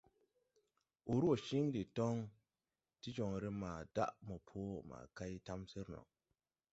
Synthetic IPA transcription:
o˨ɾo˨ʃi˦ŋdi˨to˦ŋ | ti˦d͡ʒo˨ŋɾe˦ma˨d̥a̰˦ʔmo˨pʰo˦ma̰˨ka˦jta˦msi˦ɾnɔ̰˨k̚

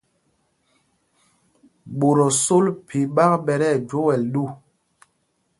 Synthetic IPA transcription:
ɓo˨ɾɔ˨so˦lpʰi˨ɓa˦kɓɛ˨ɾɛ˦˨d͡ʒo˦wɛ˨lɗu˦˨

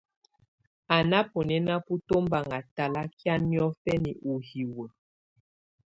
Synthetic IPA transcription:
a˨na˦po˨nɛ˦na˦pu˦to˦mba˨ŋa˨ta˨la˦kja˦nmjɔ˦fɛ˦ni˨ʔu˨hi˨wə˨

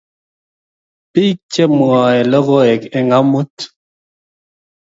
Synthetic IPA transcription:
pi˦t͡ʃɛ˦m˨ɔ˨ɛ˨lɔ˦ɣo˦ɛ˨ke˨ŋa˦mu˦t

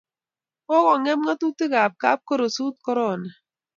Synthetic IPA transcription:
ɔ˦ɣɔ˨ŋɛ˦m˦ŋa˦tu˦ti˦ɣa˨p̚ka̰˦p̚ko˦ɾo˨su˦t̚kɔ˦ɾɔ˦˨na˨

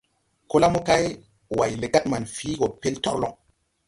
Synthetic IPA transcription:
ko˦la˦mo˦ka˦j | wa˨jle˨ɡa˦t̚ma˨nfi˨˦ɡo˨pe˦ltɔ̰˦ɾlɔ̰˦

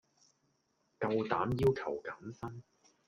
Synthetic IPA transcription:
kɐ˧wt̪aː˨˥mjiː˥wkʰɐ˨˩wkɐ˨˥msɐ˥n

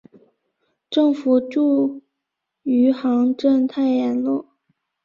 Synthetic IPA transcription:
ʈ͡ʂɤ˥˩ŋfu˨˩ʈ͡ʂu˥˩ | y˧˥xɑ˧˥ŋʈ͡ʂə˥˧nt̪ʰa˥˩ɪjɛ˧˥nlɔ˥˩

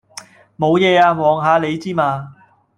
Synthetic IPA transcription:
mo˨˧wjɛː˨˧aː˧wɔː˨ŋɦaː˨˧le˨˧jt͡siː˥maː˧

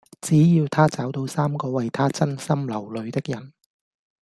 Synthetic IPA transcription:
t͡siː˨˥jiː˧wt̪ʰaː˥t͡saː˨˥wt̪o˧wsaː˥mkɔː˧wɐ˨jt̪ʰaː˥t͡sɐ˥nsɐ˥mlɐ˨˩wlɵ˨˧ɥt̪ɪ˥k̚jɐ˨˩n

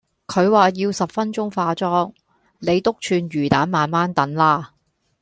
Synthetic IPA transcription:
kʰɵ˨˧ɥwaː˨˩jiː˧wsɐ˨p̚fɐ˥nt͡ʃʊ˥ŋfaː˧t͡sɔː˥ŋ | ne˨˧jt̪ʊ˥k̚t͡ʃʰyː˧nɥyː˨˩t̪aː˨˥nmaː˨nmaː˥nt̪ɐ˨˥nlaː˥

